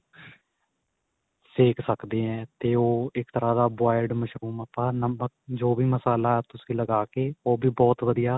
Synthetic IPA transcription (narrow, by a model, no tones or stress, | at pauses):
seːksəkd̪eːɛ̃ːt̪eːoːɪkt̪əɾaːd̪aːbaːɪɖməʃɾuːməpːãːnəmək̚d͡ʒoːbiːməsaːlaːɛːt̪ʊsĩːləɡaːkeːoːbʱiːbɔːt̪ʋəd̪ijaː